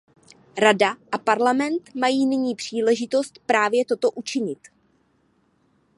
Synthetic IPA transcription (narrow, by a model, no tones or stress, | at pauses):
ɾadaʔapaɾlamɛnt̪majiːnɪɲiːpr̝̥iːlɛʒɪt̪o̞st̪pɾaːvjɛt̪o̞t̪o̞ʔut͡ʃɪɲɪt̪